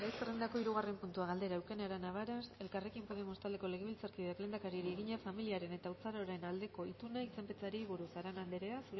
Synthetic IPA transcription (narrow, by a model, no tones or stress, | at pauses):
bajserend̪ako̞iɾuɣare̞mpunt̪uaɣ̞ald̪e̞ɾaːwkeneaɾanaβ̞aɾase̞lkare̞kimpoðe̞mo̞st̪ald̪e̞ko̞le̞ɣeβilt͡saɾkiakle̞nd̪akaɾieɾieɣiɲafamiliaɾe̞ne̞t̪aut͡saɾo̞ɾe̞nald̪e̞ko̞it̪unait͡se̞mpet͡saɾiβuɾusaɾenand̪eɾeasu